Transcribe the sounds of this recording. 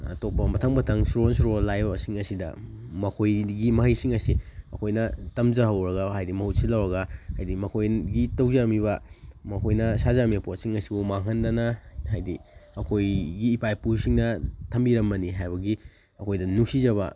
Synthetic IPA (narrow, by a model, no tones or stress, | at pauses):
ɐ̰tok̚pɐmɐtʰɐŋbɐtʰɐŋsɾuensɾolajbɐsiŋɐsidɐ̰mɐkʰojɡimɐɦɐjsiŋɐsiɐkʰojnɐtɐmzɐhɐwɾɐɡɐhajdimɐhut̚silawɾɐɡɐhajdimɐkʰojɡitɐwzaɾɐmiβɐmɐkʰojnɐsazamepot̚siŋɐsibumaŋɦɐndɐnɐhajdiɐkʰojɡiːpajpusiŋnɐtʰɐmbiɾɐmbɐniɦajbɐɡi | ɐkʰojdɐnusizɐβɐ̰